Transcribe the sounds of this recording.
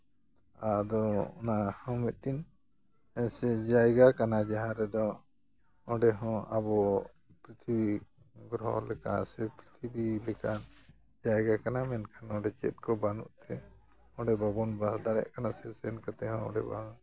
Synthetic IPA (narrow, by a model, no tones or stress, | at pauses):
ad̪ɔɔnahãwmɛt̪̚ˀtin | ɛsɛd͡ʒajɡakanad͡ʒaɦãɾɛd̪ɔ | ɔɖɛɦɔ̃ʔabɔ | pɾit̪ʰibi | ɡɾɦɔ̰lɛka̰sɛpɾit̪ʰibilɛkan | d͡ʒajɡakanamɛnkʰanɔ̃ɖɛt͡ʃɛ̰t̪̚kɔbanuʔt̪ɛ | ɔ̃ɖɛbabɔnbasd̪aɽɛ̰ʔkanasɛsɛnkat̪ɛɦɔ̃ɔ̰ɖɛba̰